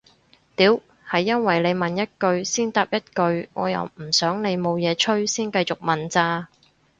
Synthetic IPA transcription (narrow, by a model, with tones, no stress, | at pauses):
t̪iː˨˥w | hɐ˨jːɐ˥nwɐ˨˩jle˨˧jmɐ˨njɐ˥t̚kɵ˧ɥsiː˥nt̪aː˨˧p̚jɐ˥t̚kɵ˧ɥŋɔ̰ː˨˧jɐ̰˨˩wm̩˨˩sœː˨˥ŋne˨˧jmo˨˧wjɛː˨˧t͡ʃʰɵ˥ɥsiː˥nkɐ˧jt͡sʊ˨˩k̚mɐ˨nt͡saː˧